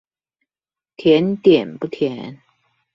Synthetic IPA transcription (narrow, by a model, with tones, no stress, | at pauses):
t̪ʰe˨˦nt̪i˨˩əmpə˥k̪ʰɛ˨˦n